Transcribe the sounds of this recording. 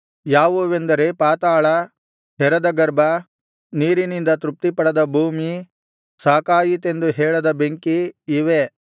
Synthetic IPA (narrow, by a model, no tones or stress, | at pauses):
jaːʋuʋend̪ɐɾepaːt̪aːɭɐ | ɦɛɾɐd̪ɐɡɐɾbʱɐ | niːɾinind̪ɐt̪ɾup̚t̪ipɐɽɐd̪ɐbʱuːmi | saːkaːjit̪e̞nd̪uɦɛːɭɐd̪ɐbeŋkiːʋe